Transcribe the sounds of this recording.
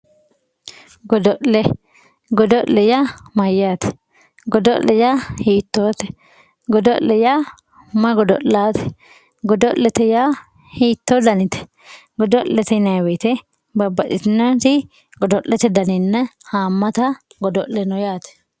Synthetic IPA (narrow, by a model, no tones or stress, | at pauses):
ɡɔd̪ɔʔlɛ | ɡɔd̪ɔʔlɛjamɐjaːt̪ɛ̥ | ɡɔd̪ɔʔlːɛjahiːt̪ːoːt̪ɛ̥ | ɡɔd̪ɔʔllɛja | mɐɡɔd̪ɔ̰ʔlaːt̪ɛ̥ | ɡɔd̪ɔʔlːɛt̪ɛja | hiːt̪ːod̪ɐnɪt̪ɛ̥ | ɡɔd̪ɔʔlːɛt̪ɛnɐjwɛt̪ɛ | bɐbɐɗɪt̪ɪnat̪ɪ | ɡɔd̪ɔʔlːɛt̪ɛd̪ɐnɪnːɐhaːmːɐt̪ɐɡɔd̪ɔʔlɛnɔjaːt̪ɛ̥